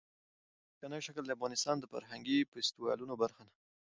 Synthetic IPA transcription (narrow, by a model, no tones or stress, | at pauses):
kanajʃakəld̪əafɣɑnɪst̪ɑnd̪əfa̰ɾɦaŋɡipest̪ɪwɑ̰lunobaɾxana